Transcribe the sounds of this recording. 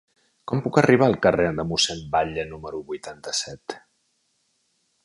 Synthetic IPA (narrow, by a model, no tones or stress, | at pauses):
kɔmpukəriβ̞aːlˠkəreðəmusɛmbaʎənuməɾuβujt̪ant̪əsɛt̪